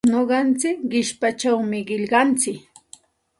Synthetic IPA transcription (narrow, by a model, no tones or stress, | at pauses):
noɢɑnt͡sɪkɢɪʃpat͡ʃawmɪɢɪʎɢɑnt͡sɪk